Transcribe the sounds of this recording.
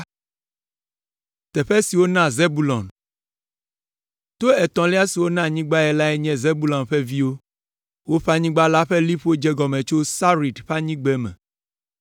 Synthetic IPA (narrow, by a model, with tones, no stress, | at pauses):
t̪ɛ˨ɸɛ˦si˨wo˦nã˦ze˦bu˦lɔ̃˨n | t̪o˦ɛ˨t̪ɔ̃˨li˦a˦si˨wo˦nã˦ɲĩ˦ɡ͡ba˦ɛ˨la˦ɛ˦ɲɛ̃˦ze˦bu˦lɔ̃˨nɸɛ˦vi˦wo˦ | wo˦ɸa˦ɲĩ˦ɡ͡ba˦la˦ɸɛ˦li˦ɸo˦d͡ʒɛ˦ɡɔ˨mɛ̃˨t͡ʃo˦sa˦ɾi˨d̪ɸa˦ɲĩ˦ɡ͡bɛ˦mɛ̰̃˨